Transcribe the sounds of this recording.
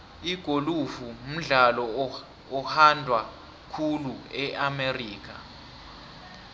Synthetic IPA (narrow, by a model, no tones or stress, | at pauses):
iɡ̥ʱolufum̩ɮalɔ | ɔhandʱwa | kʰuluɛʔameriːk̬ʰa